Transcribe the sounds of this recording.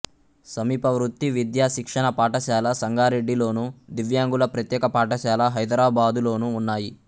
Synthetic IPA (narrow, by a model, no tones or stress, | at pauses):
sɐmiːpɐʋɾut̪ːiʋid̪jaːʃikʂɐɳɐpaːʈɐʃaːlɐsɐŋɡaːɾeɖːilo̞ːnud̪iʋjaːŋɡulɐpɾɐt̪jɛːkɐpaːʈɐʃaːlɐɦɐjd̪ɾaːbaːd̪ulo̞ːnuːnːaːji